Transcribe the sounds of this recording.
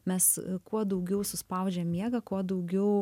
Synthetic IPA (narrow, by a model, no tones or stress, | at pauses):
mʲɛskuɔd̪ɐʊɡʲɛʊsʊspɐʊd͡ʒʲɛːmːʲiɛɡɐkuɔd̪ɐʊɡʲɛʊ